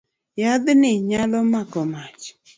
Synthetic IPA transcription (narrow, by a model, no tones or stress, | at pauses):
jad̪nɪɲalɔmakɔmat͡ʃ